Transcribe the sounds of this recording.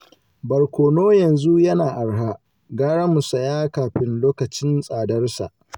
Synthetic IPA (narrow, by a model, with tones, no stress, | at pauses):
bɐ˨rkʷoː˨noː˦jɐ˨nzu˦jɐ˦naː˨ʔa˨ɽɦa˦ | ɡaː˦ɽa˦mu˨sɐ˨jaː˦kaː˨ɸɪ˦nloː˦kɐ˨t͡ʃɪ˦nsʼaː˨dɐ˦rsa̰˨ʔ